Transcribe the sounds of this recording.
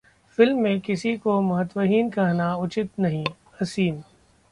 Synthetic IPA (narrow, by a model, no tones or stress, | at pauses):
fɪlmːẽkɪsikomɐɦət̪wəɦiːnkɐɦnaʊt͡ʃɪt̪nɐɦĩː | ɐsiːm